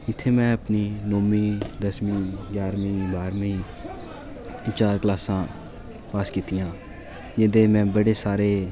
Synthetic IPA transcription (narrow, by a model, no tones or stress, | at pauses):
ɪt̪ʰːeːmɛ̃ːəpniːnoːmĩːd̪əsmĩːɡjaːɾmĩːbaːɾmĩː | t͡ʃaːɾklaːsãː | paːskiːt̪ijãː | d͡ʒɪ̃ːd̪eːmɛ̃ːbəɽeːsaːɾeː